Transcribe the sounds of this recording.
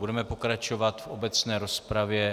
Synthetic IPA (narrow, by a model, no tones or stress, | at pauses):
budɛmɛpo̞kɾat͡ʃo̞vat̪fʔobɛt͡snɛːɾo̞spɾavjɛ